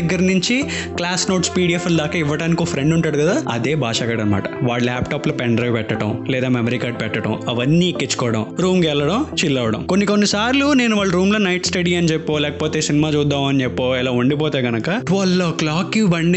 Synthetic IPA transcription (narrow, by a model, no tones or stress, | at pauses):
ɡːɐɾnuɲt͡ʃi | klaːsno̞ːʈspiːɽiefɐld̪aːkɐiʋːɐɽaːnikioːpʰɾeɳɖuɳʈaːɽukɐd̪aːɐ̰d̪eːbʱaːʂaːɡɐːɽɐnɐma̰ːʈɐʋaːɭlaːpʈaːplɐpɛɳɖɾɐjʋpɛʈːɐʈɐmlɛːd̪aːmemɐɾikaːɾɖ̚pɛʈːɐʈɐ̰mɐʋɐnːiːkːit͡ʃːu̥kɔːʋɐɽɐ̰mɾuːmkɛlːɐɽɐmt͡ʃilːɐʋɐɽɐ̰mko̞nːiko̞nːisaːɾlune̞ːnuʋaːɭːɐɾuːmloːnɐjʈsʈɐɽiːɐnit͡ʃepːoːlɛːkɐ̥poːt̪e̞ːsinimaːt͡ʃuːd̪ːaːmɐnit͡ʃepːoːɛlaːuɳɖipoːt̪eːɡɐnɐkɐʈʋɐloklaːkːibɐɳɖi